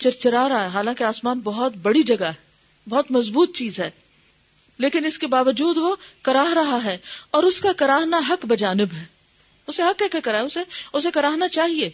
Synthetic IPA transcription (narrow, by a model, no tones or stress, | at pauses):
t͡ʃɐɾt͡ʃəɾaɾaɛɦaːlãːkeaːsmaːnbɐɦʊt̪bɐɽid͡ʒɐɡaɦɛ | bɐɦʊt̪mɐzbuːt̪̚t͡ʃiːzɦɛː | leːkɪnɪskebaːʋəd͡ʒuːd̪ʋokɐɾaːɦɾɐɦaɦɛːɔːɾʊskakɐɾaːɦnaɦɐkbɐd͡ʒaːnɪbɦɛː | ʊseɦɐkːɛːkɐkɐɾaːɦɛʊseʊsekɐɾaːɦnat͡ʃaːɦieː